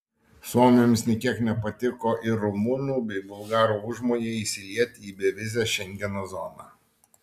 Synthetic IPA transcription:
suɔmʲemʲsnʲɪkʲiɛknʲɛpɐt̪ʲɪkoːʔɪɾʊmʊnuːbʲɛɪbʊlˠɡɑːɾuːʊʒmoːjeːiːsʲɪlʲiɛt̪ʲiːbʲɛʋʲɪzʲɛʃʲɛŋʲɡʲɛnoːzɔnɑ̰

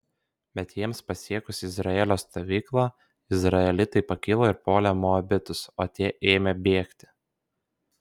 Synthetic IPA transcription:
bʲɛt̪jiɛmspɐsʲiɛkʊsʲɪzɾɐɛlʲoːst̪oːʋʲiːklˠɑː | ɪzɾɐɛlʲɪt̪ɐɪpɐkʲɪlˠoːɪɾpoːlʲɛmoɐbʲɪt̪ʊsoːt̪ʲiɛʔeːmʲɛbʲeːkt̪ʲɪ̥

